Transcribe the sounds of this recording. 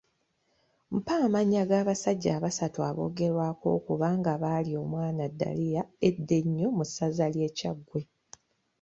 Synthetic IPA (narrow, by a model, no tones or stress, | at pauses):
m̩paːmaɲːaɡaːβasaɟːaːβasatua̰βo̞̰ːɡe̞ɾwaːko̞̰ːkuβaːŋɡaβaːlio̞ːmwaːnadːa̰lijae̞dːe̞ɲːo̞musazalje̞ːcaɡwe̞